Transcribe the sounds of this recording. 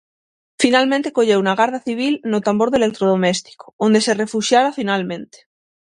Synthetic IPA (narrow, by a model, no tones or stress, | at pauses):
finalmẽnt̪ekoʎeunaɣ̞aɾðaθiβ̞ilnot̪ambo̞ɾðelek̚t̪ɾoð̞omest̪i̥ko̥ond̪esere̞fuʃjaɾafinalmẽnt̪e̥